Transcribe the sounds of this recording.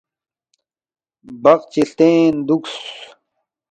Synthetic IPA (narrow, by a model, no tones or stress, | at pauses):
bɐqt͡ɕiɬt̪eːnd̪uks